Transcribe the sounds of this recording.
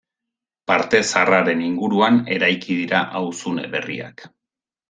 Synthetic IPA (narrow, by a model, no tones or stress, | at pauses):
paɾt̪e̞saraɾe̞niŋɡuɾuane̞ɾajkiðiɾaʔawsune̞̰βe̞̰rḭa̰k